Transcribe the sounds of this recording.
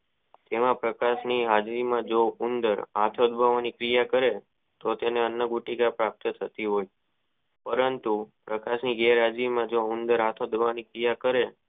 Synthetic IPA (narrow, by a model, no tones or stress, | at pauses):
t̪emãpɾəkaʃniɦad͡ʒɾimãd͡ʒoʊnd̪əɾat̪ʰod̪bʱəʋanikɾijakəɾe | t̪ot̪eneənːəɡuʈikapɾap̚t̪ət̪ʰət̪iɦoj | pəɾənt̪upɾəkaʃniɡɛɾɦad͡ʒʋimãd͡ʒoʊnd̪əɾat̪ʰod̪bʱʋanikɾijakəɾe